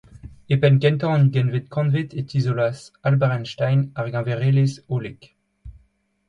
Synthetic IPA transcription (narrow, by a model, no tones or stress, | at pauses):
epɛnkɛ̃nt̪ɑ̃nɡɛnvet̪̚kʰɑ̃nvet̪et̪izolasalbaʁɛnʃt̪ajnaʁɡɑ̃veʁelesolek